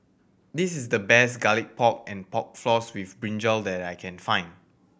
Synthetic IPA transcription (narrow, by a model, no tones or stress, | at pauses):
disisdəbɛsɡalik̚pʰɔk̚ɛ̃npɔk̚flɔswifbɹĩnd͡ʒəldɛtajkʰɛ̃nfãɪ̃n